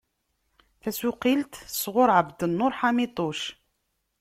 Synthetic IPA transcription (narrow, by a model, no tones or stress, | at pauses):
θæsuqilt̪sʁʊɾˤʕəbd̪ənːʊɾħamit̪ˤoʃ